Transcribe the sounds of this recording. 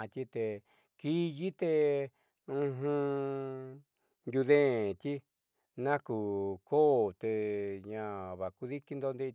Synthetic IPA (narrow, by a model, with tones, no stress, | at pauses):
t̪ʲi˦t̪e˧ | ki˦ji˦t̪e˧ | ũ˧ɦũ˧ | nj̪u˧ðẽ˦˨t̪ʲi˦ | nã˦ku˨ko˦˨t̪e˧ɲã˨βa˨ku˧ði˦ki˦nd̪o˧nd̪e˧